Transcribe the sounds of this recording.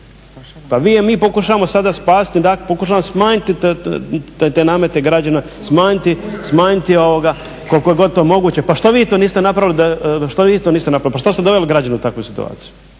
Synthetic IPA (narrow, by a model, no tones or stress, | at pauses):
paʋiːemiːpo̞kuʃaʋamo̞sad̪aspaːst̪id̪aklpokuʃ̬aʋaosmaːɲit̪it̪ | t̪enaːmet̪e̞ɡɾad͡ʑana | smaːɲit̪ismaːɲit̪io̞ʋoɡa | ko̞lkojeɡo̞d̪̚t̪oːmo̞ɡuːt͡ɕe̞paʃt̪oʋiːt̪oːniːst̪enapɾaʋilid̪aʃt̪oʋiːt̪oːniːst̪enapɾaʋlipaʃt̪ost̪ed̪o̞ʋe̞liɡɾad͡ʑanuut̪akʋujsi̥t̪ṵa̰ːt̪siju